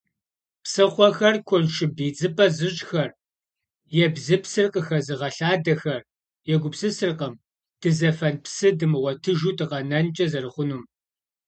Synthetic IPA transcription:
psɨχʷɔxɐrkʷʰɔnʃɪbiːd͡zɨpʼɐzɨɕʼxɐr | jɛbzɨpʰsɨrqʼəxɐzɨʁɐɬaːdɐxɐr | jɛɡʷʊpsɨsɨrqəm | d̥ɨzɐfɐnpsɨdɨmɨʁʷɔtʰɨʒuːtʰɨqɐnɐnt͡ʃʼɐzɐrɨχʷʊnuːm

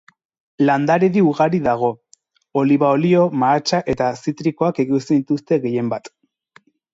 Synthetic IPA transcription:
land̪aɾeðiuɣaɾiðaɣ̞o̞ | oliβaolio̞maːt͡ʃaʔe̞t̪asit̪ɾiko̞akeɣust̪enit̪ust̪e̞ɣe̞je̞mbat̪

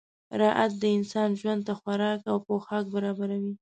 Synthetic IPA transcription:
ɾɑʔat̪̚d̪əɪnsɑnʒwand̪̚t̪axwaɾɑkawpoxɑk̚baɾɑbaɾawi

